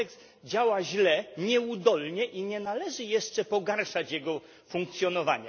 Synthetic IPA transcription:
ɛks | d͡ʑawaʑlɛɲɛud̪ɔlɲɛʔiɲɛnalɛʐɘjɛʂt͡ʂɛpɔɡaɾʂat͡ɕjɛɡɔ | fuŋkt̪sʲjɔnɔva̰ɲa

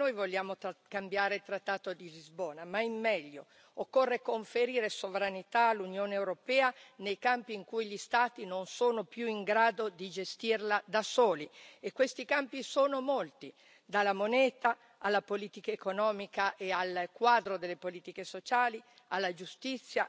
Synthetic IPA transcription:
nojvoʎːaːmokambjaːɾeilt̪ɾat̪ːaːt̪od̪ilizboːnamaimːɛʎːo | okːorːekoɱfeɾiːɾesovɾanit̪aːlːunjoːneːwɾopɛːanejkampiːŋkujʎist̪aːt̪inonsoːnopjuiŋɡɾaːd̪od̪id͡ʒest̪irlad̪asoːliekːwest̪ikampisoːnomolt̪i | d̪alːamonɛːt̪aː | lːapoliːt̪ikaekonɔːmikaʔealkwaːd̪ɾod̪elːepoliːt̪ikesot͡ʃaːli | alːad͡ʒust̪it̪sːja

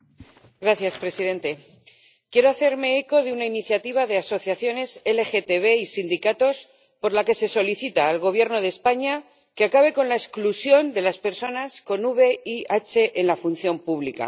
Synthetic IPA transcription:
ɡɾaθjaspɾe̞siðe̞nt̪e̞ | kje̞ɾo̞aθe̞ɾme̞eko̞ðeunainiθjat̪iβ̞aðe̞aso̞θjaθjo̞ne̞se̞le̞xe̞t̪e̞βe̞isind̪ikat̪o̞s | po̞ɾlake̞se̞so̞liθit̪aːlɣ̞o̞βjeɾno̞ðe̞spaɲa | keakaβ̞e̞ko̞nlaesklusjo̞nd̪e̞laspe̞ɾso̞nasko̞nuβe̞iat͡ʃe̞ʔenlafun̟θjo̞mpuβlika̰

